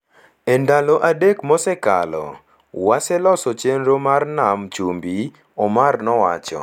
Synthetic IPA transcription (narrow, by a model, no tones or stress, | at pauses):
endaloʔadekmɔsɛka̰lɔ̰ | wasɛlɔsɔt͡ʃenɾomarnamt͡ʃumbi | ɔmarnɔwa̰t͡ʃɔ̰